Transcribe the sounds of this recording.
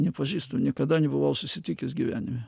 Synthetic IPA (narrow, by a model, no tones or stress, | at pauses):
nʲɛpɐʒʲiːst̪ɐʊnʲiɛkɐd̪ɐnʲɛbʊʋɐʊsʊsʲɪt̪ʲɪkʲɪsɡʲiʋʲæ̰ːnʲɪmʲɛ